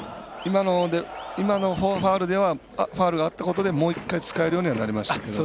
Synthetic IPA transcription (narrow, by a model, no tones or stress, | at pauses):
imanod̪eimano̞ɸoɸaːɾɯ̟d̪e̞βa | ɸaːɾɯɡaːt̪ːako̞t̪o̞d̪e̞mo̞ːikːait͡sɨ̥kae̞ɾɯjo̞ːɲ̟iβanaɾʲimaɕi̥t̪ake̞d̪o